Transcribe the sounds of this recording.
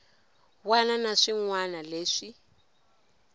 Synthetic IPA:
wananaʂiŋwanaleːʂi

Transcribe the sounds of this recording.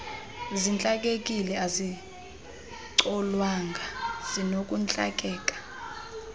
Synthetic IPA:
zint͡ɬʼak̬ʼek̬ʼilɛazi | ǀɔlwaŋɡʱaz̥inokʼunt͡ɬʼa̰k̬ʼɛːkʼḁ

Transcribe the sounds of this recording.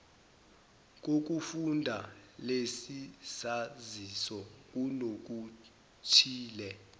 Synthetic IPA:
k̬ok̬ufundʱalesisazisɔk̬unok̬ʼu | t͡ʃʰiːlɛ

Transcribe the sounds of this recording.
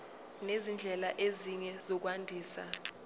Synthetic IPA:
nezind͡ɮʱɛlaʔeziɲɛzɔk̬wandʱiːsa̰

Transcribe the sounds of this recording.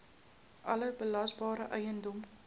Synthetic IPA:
ʔɐləbəlɐsbɑːɾəʔœjəndɔm

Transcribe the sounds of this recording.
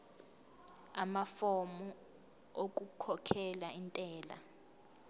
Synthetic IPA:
amafɔmɔ | ok̬ʼukʰɔkʰɛlaintʼɛːla̰

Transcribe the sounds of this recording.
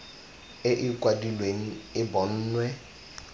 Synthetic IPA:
ɪʔɪkwadilweŋ̩ɪbɔn̩ːnwɛ

